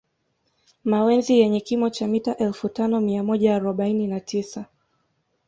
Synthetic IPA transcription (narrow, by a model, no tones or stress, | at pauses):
mawɛnzijɛɲɛkimɔt͡ʃamitaʔɛlfutanɔmiamɔʄaːɾɔɓaininatisa